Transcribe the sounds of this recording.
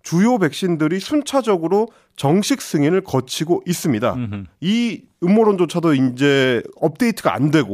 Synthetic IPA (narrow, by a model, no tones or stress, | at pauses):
t͡ɕujobe̞k̚ɕ͈indɯɾisʰunt͡ɕʰad͡ʑʌɡɯɾo | t͡ɕʌŋɕʰik̚s͈ɯŋinɯɭkʌt͡ɕʰiɡoʔis͈ɯmɲida̰i | ɯmːoɾond͡ʑot͡ɕʰadoind͡ʑe̞ʌp̚t͈e̞itʰɯɡa̰a̰ndwe̞ɡo